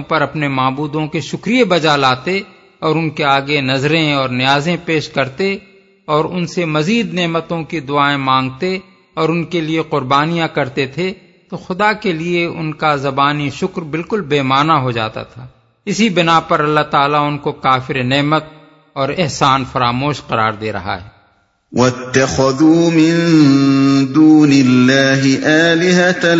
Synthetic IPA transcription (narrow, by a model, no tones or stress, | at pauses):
pɐɾɐpnemaːbuːd̪õkeʃʊkɾijebɐd͡ʒalaːt̪e | ɔːɾʊnkeaːɡenɐzɾẽɔːɾnɪjaːzẽpeːʃkɐɾt̪e | ɔːɾʊnsemɐziːd̪nɛːmət̪õkid̪ʊaːẽmãːŋɡ̚t̪e | ɔːɾʊnkelieqʊɾbaːnijãkɐɾt̪et̪ʰe | t̪oːxʊd̪akelieʊ̰nkazɐbaːniʃʊkɾbɪlkʊlbeːmaːnaɦod͡ʒa̰ːt̪a̰t̪ʰaː | ɪsibɪnapɐɾɐlːaɦt̪aːlaʊnkokaːfɪɾenɛːmət̪̚ | ɔːɾɪɦsaːnfɐɾaːmoːʃqɐɾa̰ːɾd̪eːɾɐ̰ɦa̰ɦɛ̰ː | wʔɐt̪ːɐxɐðuːmɪn | d̪uːnɪlːaːɦɪʔaːlɪɦa